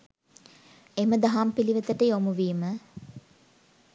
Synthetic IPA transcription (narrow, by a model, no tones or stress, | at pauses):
eməd̪aɦampiliʋət̪əʈəjomuʋiːmə